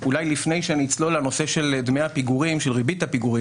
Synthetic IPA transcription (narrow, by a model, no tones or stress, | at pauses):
ulajlifne̞jʃeanit͡slo̞lano̞se̞ʃe̞ld̪meapiɡuʁimʃelʁibithapiɡuʁi